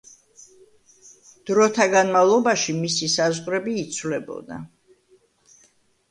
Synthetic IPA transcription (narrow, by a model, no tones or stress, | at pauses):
d̪̥ɾɔt̪ʰaɡanmavlˠɔbaʃimisisazʁɾɛbiːt̪sʰvlɛbɔ̰d̪a̰